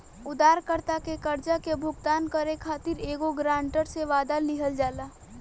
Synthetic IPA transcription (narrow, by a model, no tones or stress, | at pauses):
ʊd̪aːɾkəɾt̪akekəɾd͡ʒakebʱʊɡt̪aːnkəɾekʰaːt̪iɾeːɡoɡɾãːɳʈəɾseʋaːd̪alɪɦəld͡ʒaːlaː